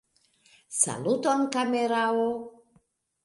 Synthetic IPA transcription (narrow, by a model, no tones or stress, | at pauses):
sa̰lut̪onkameɾao